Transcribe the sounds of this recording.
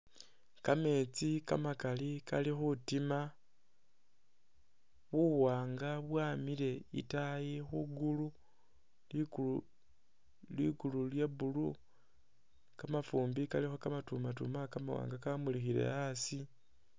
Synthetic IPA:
kame̞t͡sikamakalikalixutima | βuwaːŋɡaβwaːmile̞ḭtajixuɡulu | lu | liɡululjeβulu | kamafuːmbikalixokamatumatṵmakama̰wa̰ːŋɡakamulixiɾḛasi

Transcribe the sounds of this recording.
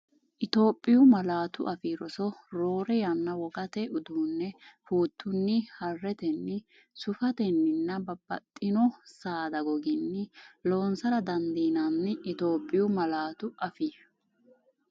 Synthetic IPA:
ʔɪt̪o̞ːpʼːɪjʊmɐlaːt̪ʊ̰ʔɐfiːɾɔsɔɾo̞ːɾɛjɐnːɐwɔɡɐt̪ɛʊd̪uːnːɛhuːt̪ʰːʊnːɪhɐrːɛt̪ɛnːɪ | sʊfɐt̪ɛnːɪnːɐbɐbːɐ̰t̪ʼːɪnɔsaːd̪ɐɡɔɡɪnːɪloːnsɐɾɐd̪ɐnd̪iːnɐnːɪɪt̪o̞ːpʼːɪjʊmɐlaːt̪ʊɐfi

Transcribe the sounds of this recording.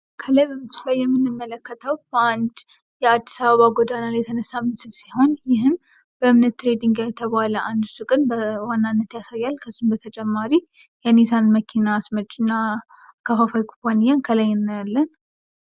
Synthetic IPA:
kʰələjbəmɨsulajːɛmːɨnːɨmːələkːət̪ʰəwb̥əand̪ | jɛad̪ːisaβəβaɡod̪analjɛt̪ʰənəsːamɨnsɨlsiho̞njɪɦɨn | bəɨmnət̪ːɾed̪iŋɡajɛt̪ʰəβaləʔand̪ɨsukʼɨnbəwanːanːət̪jasajːalkʰəzːumbət̪ʰət͡ʃʼɛmːaɾi | jɛnesanməkʰinaːsməd͡ʒɨnːa | kʰəfafajkʰupʰanijankʰəlajːɪnːalːən

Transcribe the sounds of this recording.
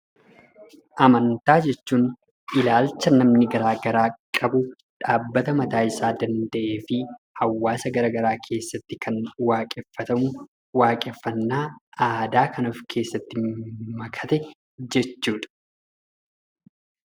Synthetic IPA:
ʔɐmɐnt̪aːd͡ʒɛt͡ʃːuːn | ɪlaːlt͡ʃːɐnɐmnɪɡɐɾaːɡɐɾaːkʼɐbʊ | ᶑaːbːɐt̪ɐmɐt̪aːʔɪsaːd̪ɐnd̪ɐʔe̞ːfɪ | hɐwːaːsɐɡɐɾɐɡɐɾaːkʰe̞ːsːɐt̪ːɪkʰɐnwaːkʼɛfɐt̪ɐmʊ | waːkʼɛfːɐnːaːaːd̪aːkʰɐnɔfkʰe̞ːsːɐt̪ːɪmɐkʰɐ̥t̪ɛ | d͡ʒɛt͡ʃːuːᶑ̪ɐ̥

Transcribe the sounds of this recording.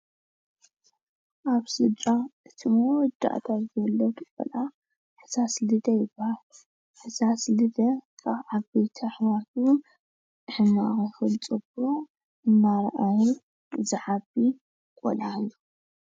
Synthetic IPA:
ʔaβsɨt͡ʃʼaʔɨt̪ʰimowɔd̪a̰ʔt̪ʰat̪zɐlːɐt̪ʰkʷʼɔ̰lʔa | ħɨsaslɨd̪ɐjɪbahal | ħɨsaslɨd̪ɐkʰaβʕaβbejt̪ʰɐħwat̪ʰuʊn | ħɨmaɣixɨlt͡sʼɨbo | ʔɨnːaɾɐʔaji | zɨʕabi | kʼɔ̰lalːu

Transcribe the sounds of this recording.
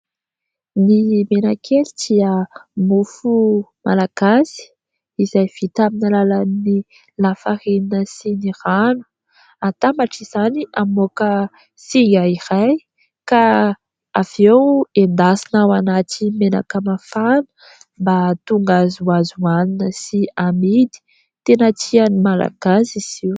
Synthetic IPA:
nimenakʰelid̪iəmufumʔa̰laɡ̥asi̥ | izajv̥it̪aminəlalanni | lafaɾininəsiniranə̥ | at̪amaʈ͡ʂiz̥aniamokə | siŋɡaiɾaj | ka | av̥ewend̪asinawanat̪imena̰kəmafanə̥ | mbat̪uŋɡazuazuaninəsiamid̪i̥ | t̪enat͡sianimala̰ɡ̥asiz̥iw

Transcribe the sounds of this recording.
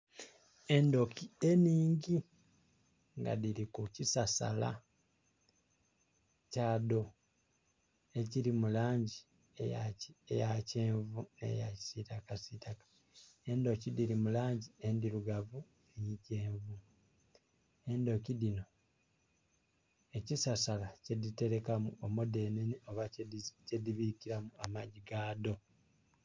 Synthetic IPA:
e̞ndo̞kie̞niːŋɟi | ŋɡa̰ðiɾikucisasa̰la̰ | caːdo̞ | e̞ciɾimulaːɲɟi | ejaejaceːɱvunḛja̰ci̥sitakasitakḁ | e̞ndo̞cidiɾimulaːɲɟie̞ndiɾuɡavu | eɲice̞ːɱvu | e̞ndo̞cidino̞ | e̞cisasalacedite̞ɾe̞kamuomode̞nenio̞βacediβikiɾamuamaɟiɡaːdo̞

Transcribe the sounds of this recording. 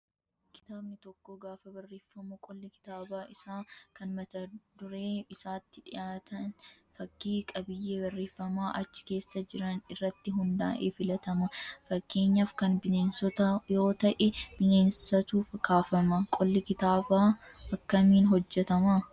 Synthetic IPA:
kɪ̥t̪aːbnɪt̪ɔkːɔɡaːfɐbɐrːeːfːɐmukʼɔlːɪkɪ̥t̪aːbaːʔɪsaːkɐnmɐt̪ɐd̪ʊɾe̞ːbɪsaːt̪ːɪᶑɪjaːt̪ɐn | fɐkːiːkʼɐbɪjːeːbɐrːe̞ːfːɐmaːʔɐt͡ʃːɪ̥ke̞ːsːɐd͡ʒɪɾɐnɪrːɐt̪ːɪɦʊnd̪a̰ːʔeːfɪlɐt̪ɐmɐfɐkːe̞ːɲːɐfkɐnbɪneːnsɔt̪ɐjo̞ːt̪ɐʔɛb̥ɪne̞ːnssɐt̪uːfɐkːaːfɐmɐkʼɔlːɪkɪt̪aːbaːfɐkːɐmiːnɦɔd͡ʒːɛt̪ɐma

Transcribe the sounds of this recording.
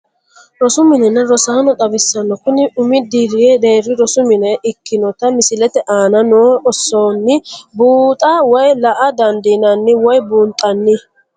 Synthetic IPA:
ɾɔsʊmɪnɛnɛɾɔsaːnɔt̪ɐbɪsːɐnːɔkʊnɪʔʊmɪd̪iːɾɪed̪e̞ːɾːɪɾɔsʊmɪnɛʔɪkːɪnɔt̪ɐmɪsɪlɛt̪ɛʔaːnɐnoːɔsːoːnːɪbuːt̪ʼɐwɔjlɐʔɐd̪ɐnd̪inɐnːɪwɔjbuːnt̪ʼːɐnːɪ

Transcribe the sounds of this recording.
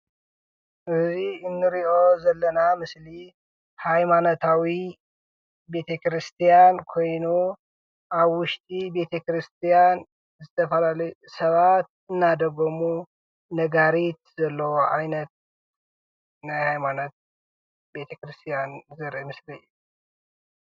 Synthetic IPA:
ʔɨziɨnːɨɾiʔo̞zɐlːɐnamɨsli | hajmanot̪ʰawi | be̞t̪ʰekɾɨst̪ʰijankʰo̞jnu | ʔaβwʊʃt̪ʼibe̞t̪ʰekɾɨst̪ʰijan | zɨt̪ʰɐfɐlalɐjusɐβat̪ | ɨnːad̪ɐɡomu | nɐɡaɾit̪̚z̥ɐlːɐwoʔajnɐt̪̚ | najhajmanot̪̚ | be̞t̪ʰɐkɾɨst̪ʰijanzɨɾʔimɨsliɨju

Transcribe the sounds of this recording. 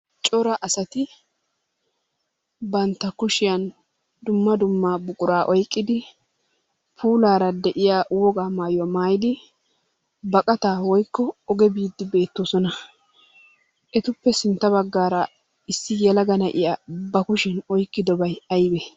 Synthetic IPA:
t͡ʃʼɔɾɐʔɐsɐt̪ɪ | bɐnt̪ːɐkʊʃɪjɐn | d̪ʊmːɐd̪ʊmːaːbʊkʼʊɾaːʔɔjkʼːɪd̪ɪ | pʰuːlaːɾɐd̪ɛʔɪjaːwɔɡaːmaːjwmaːjɪd̪ɪ | bɐkʼɐt̪aːwɔjkːɔɔɡɛbiːd̪ːɪbe̞ːt̪ːoːsɔnɐ | ʔɛt̪ʊpːɛsɪnt̪ːɐβɐɡːaːɾɐ | ɪsːɪjɛlɐɡɐnɐʔɪjaːbɐkʊʃɪnɔjkʼːɪd̪ɔbɐjɐjbɛ

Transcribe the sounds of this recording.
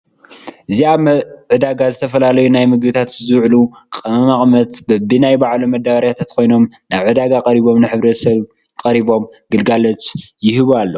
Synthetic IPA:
ʔɨziaβʕɨd̪aɡazɨt̪ʰɐfɐlalɐjunajmɨɡbɨt̪ʰat̪zɨʕlu | kʼɐmɐmakʼmɐt̪bɐbɨnajbaʕlumɐd̪aβɐɾjat̪ʰat̪kʰo̞jno̞m | naβʕɨd̪aɡakʼɐɾiβo̞mnɨħɨβɾɐt̪sɐβ | kʼɐɾiβo̞mɡɨlɡalɐt͡ʃjɪhɨβalːo

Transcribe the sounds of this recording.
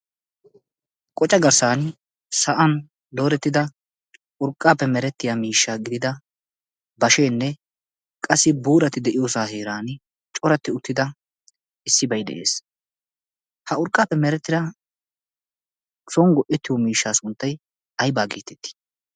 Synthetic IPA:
kʼɔt͡ʃʼːɐɡɐɾsaːn | sɐʔɐn | d̪oːɾɛt̪ːɪd̪ɐ | ʔʊɾkʼːaːpːɛmɛɾɛt̪ːɪjaːmiːʃːaːɡɪd̪ɪd̪ɐ | bɐʃeːnːɛ | kʼɐsːɪbuːɾɐt̪ɪd̪ɛʔɪjoːsaːheːɾaːn | t͡ʃʼɔɾɐt̪ːɪʊt̪ːɪd̪ɐ | ɪsːɪbɐjd̪ɛ̰ʔe̞̰ːs | hɐʊɾkʼːaːpːɛmɛɾɛt̪ːɪd̪ɐ | sɔŋɡɔʔɛt̪ːɪjɔmiːʃːaːsʊnt̪ːɐj | ɐjbaːɡḛːt̪ɛ̥t̪ːɪ̥

